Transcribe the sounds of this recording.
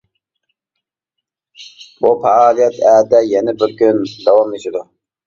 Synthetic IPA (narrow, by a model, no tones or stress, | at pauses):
bupɛːlˠijɛt̪ɛːd̪ɛjɛnɛbɪɾkʲynd̪ɛwɑmet͡ʃɪd̪u